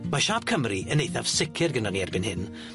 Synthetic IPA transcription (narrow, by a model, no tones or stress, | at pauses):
maʃaːb̥̚kʰəmriʔənejθav̥sɪkʰɪrɡənɔniɛrbɪnhɪn